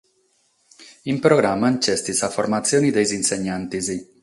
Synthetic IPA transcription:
impɾoɡɾamːant͡ʃɛst̪isaformat̪sːjoːnid̪ejzinseɲːant̪izi

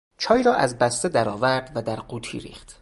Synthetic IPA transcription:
t͡ʃʰɒːjiːɾɒːʔæzbæst̪ed̪æɾɒːvæɾd̪væd̪æɾɢuːt̪ʰḭɾḭːχt̪

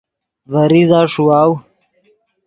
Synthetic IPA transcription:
vɐɾizaːʂuaːw

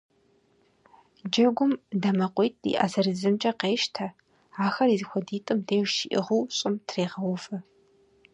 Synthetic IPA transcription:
d͡ʒɐɡʷʊmdɐmɐqʷʼijtʼʰḭʔɐ̰zɐrɨzɨmt͡ʃʼɐqeːʃtʰɐ | aːxɐrizɨxʷɔdiːtʼɨmdeːʒʃiʔɪ̰ʁuwɕʼɪmtʰreːʁɐwʊfɐ

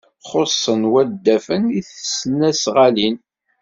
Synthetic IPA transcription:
χosˤːənwæd̪ːæfəniθəsənːæsʁalin

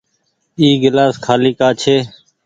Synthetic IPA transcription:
iːɡɪlaːskʰaːliːkaːt͡ʃʰeː

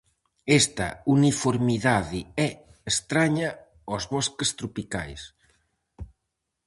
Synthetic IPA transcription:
est̪ɐ̰unifoɾmiðaðɪɛest̪ɾaɲɐ | ɔzβɔskest̪ɾupika̰js

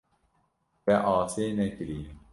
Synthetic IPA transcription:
bɛʔɑːseːnɛkɨɾiː

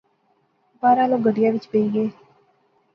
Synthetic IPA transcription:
baːɾãːloːɡəɖɪjaːʋɪt͡ʃpəiːɡeː

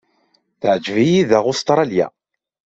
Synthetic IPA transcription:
θəʕd͡ʒvijiðæʁʊst̪ɾˤɑljæ̰

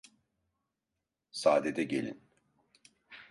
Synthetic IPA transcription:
saːd̪ed̪ɛɟelʲḭn

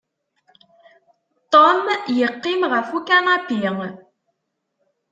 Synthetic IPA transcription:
t̪omjəqːimʁəfukænapiŋ

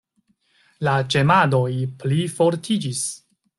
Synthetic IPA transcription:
lat͡ʃe̞mado̞jplifo̞ɾtʰid͡ʒis

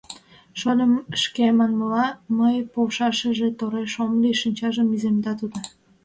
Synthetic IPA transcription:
ʃolʲəmʃkemɑnməlɑməjpoʃɑʃəʒet̪oɾeʃomliʃinʲt͡ɕɑʒəmizemd̪ɑt̪ud̪o

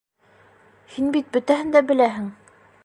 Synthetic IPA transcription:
hinbit̪̚bɵ̆t̪æɦɘnd̪æbɘ̆læɦɘŋ

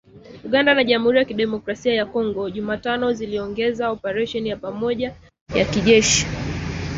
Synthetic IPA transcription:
uɠandanaʄam̩huɾijakiɗɛmɔkɾasiajakɔŋɡɔʄumaːtanɔziliɔŋɡɛzaɔpaɾɛʃɔnijapamɔʄa | jakiʄɛʃi̥

